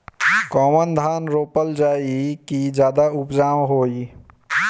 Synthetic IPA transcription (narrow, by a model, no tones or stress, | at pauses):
kɔːmənd̪ʱaːnɾoːpəld͡ʒaːikid͡ʒjaːd̪aʊpd͡ʒaːwɦoːi